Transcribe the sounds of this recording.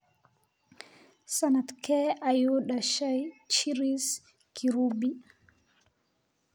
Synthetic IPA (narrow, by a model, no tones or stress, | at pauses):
sanatkɛajuɗaʃajt͡ʃiɾis | kʰiɾubi